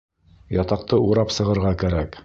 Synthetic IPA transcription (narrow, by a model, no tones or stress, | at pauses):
jɑt̪ɑq̚t̪ɤuɾɑpsɤ̆ʁɤ̆ɾʁɑkæɾæk